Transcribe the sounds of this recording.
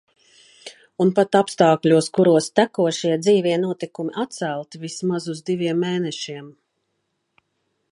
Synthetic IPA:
unpat̪apst̪aːklʲuɔskuɾuɔst̪ækuɔʃiɛd̪ziːviɛnuɔt̪ikumiʔat̪t̪sælˠt̪ivismazuzd̪ivʲiɛmːeːnɛʃiɛm

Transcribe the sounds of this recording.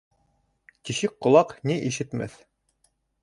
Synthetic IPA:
t̪iɕɘk̚qŏlˠɑqniʔiʃɘ̆t̪mæ̰θ

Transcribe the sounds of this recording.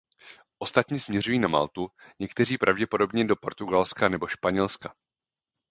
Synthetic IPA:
ʔo̞st̪at̪ɲiːsmɲɛrujiːnama̰lt̪uɲɛkt̪ɛriːpɾʔavɟɛpodo̞bɲɛdo̞po̞̰ɾt̪uɡalskanɛbo̞ʃpaɲɛlska

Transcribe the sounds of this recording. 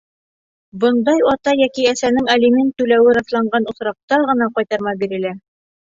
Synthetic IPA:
bɤ̆nd̪ɑjɑt̪ɑjækiæsænɘŋælimɘnt̪ːʉlæwɘɾɑslˠɑɴɢɑnŏsɾɑq̚t̪ɑʁɤ̆nɑqɑjt̪ɑɾmɑbiɾɘ̆læ

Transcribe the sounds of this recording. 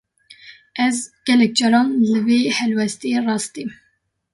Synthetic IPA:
ʔɛzɡ̥ɛlɛk̚d͡ʒɑɾɑːnlɨveːhɛlwɛst̪ierɑːst̪im

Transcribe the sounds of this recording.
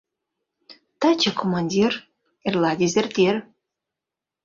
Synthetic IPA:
t̪ɑt͡ɕakomɑnʲdʲir | erlɑd̪ʲezert̪ʲer

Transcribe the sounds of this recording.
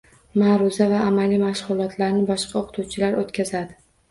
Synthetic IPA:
maɾʊzavaːmalimaʃʁʊlˠɒt̪ʰlaɾnɪbɒʃqʰɑoqʰt̪ʰuwt͡ʃʰɪlaɾot̪kʲʰazad̪ɪ

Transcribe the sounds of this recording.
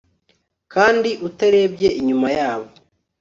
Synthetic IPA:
kaːndiʔutaɾe̞ːbɟe̞ʔiɲumajaːβo

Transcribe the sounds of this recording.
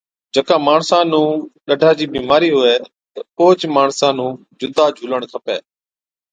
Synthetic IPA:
d͡ʒəkãːmaːɳsãːnũːɗəɖʱaːd͡ʑiːbiːmaːɾiːɦʊeː | t̪əoːd͡ʒmaːɳsãːnũː | d͡ʒʊd̪ʱaːd͡ʒʱuːləɽ̃t̪ʰəpḛː

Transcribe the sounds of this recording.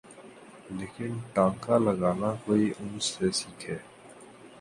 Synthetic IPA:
leːkɪnʈãːŋkaːləɡaːnãːkoːiːʔʊnsːeːsiːkʰeː

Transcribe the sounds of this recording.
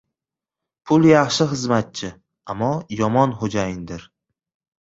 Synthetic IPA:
pʰʊlˠjɑχʃɪχɨzmat̪̚t͡ʃʰɪ | amːɒjɒmɒnχod͡ʒajɪnd̪ɪɾ

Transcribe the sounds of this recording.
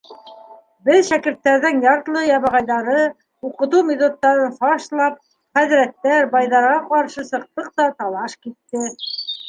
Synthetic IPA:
bɘðʃækɘ̆ɾt̪ːæɾðɘŋjɑɾt̪lˠɤjɑβɑʁɑjðɑɾɤ | uqɤ̆t̪umʲet̪ot̪ːɑɾɤnfɑʃlˠɑp̚ | χæðɾæt̪ːæɾbɑjðɑɾʁɑqɑɾʃɤsɤ̆q̚t̪ɤq̚t̪ɑt̪ɑlˠɑʃkit̪ːɘ

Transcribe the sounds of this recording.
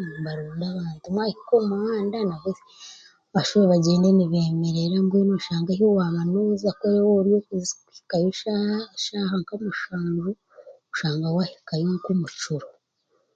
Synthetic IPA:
βaɾoːndaβaːntumwahikomuhaːndanavuze | βaʃuɾeβaɟeːndeniβe̞ːme̞ɾeɾambɡeːnoʃaːŋɡahowamanozakoɾewoɾjokuzikuhi̥kajoʃahaʃaːɦaŋkamuʃaːɲʒu | uʃaːŋɡawahi̥kajoŋkumut͡ʃuɾo

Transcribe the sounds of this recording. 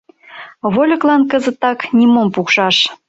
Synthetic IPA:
βolʲɤ̆klɑnkəzə̆t̪ːɑknʲimompukʃɑʃ

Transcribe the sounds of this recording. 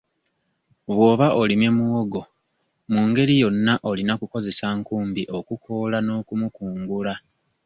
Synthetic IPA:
βwo̞ːβaʔolime̞muwo̞ɡo̞ | muːŋɡe̞ɾijo̞nːaʔo̞linakuko̞ze̞saŋkuːmbiʔo̞kukʰo̞lano̞ːkumukuːŋɡula

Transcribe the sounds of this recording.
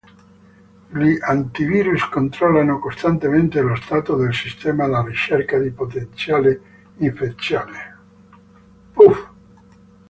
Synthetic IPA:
liʔant̪iviːɾuskont̪ɾɔlːanokost̪ant̪ement̪elost̪aːt̪od̪elsist̪ɛːmalarit͡ʃerkad̪ipot̪ent̪sjaːle | iɱfet̪sjaːle | puf

